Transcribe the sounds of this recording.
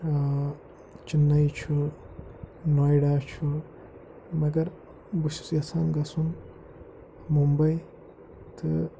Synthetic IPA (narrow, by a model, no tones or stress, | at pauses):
t͡ʃinːɐjt͡ʃʰu | nojɖaːt͡ʃʰu | mɐɡɐɾ | buʃu̥sjɐsaːnɡɐsun | mumbɐj | t̪ʰɨ